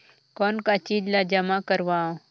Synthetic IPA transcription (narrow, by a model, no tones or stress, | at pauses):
kɔːnkat͡ʃiːd͡ʒlad͡ʒɐmakəɾʋaːõː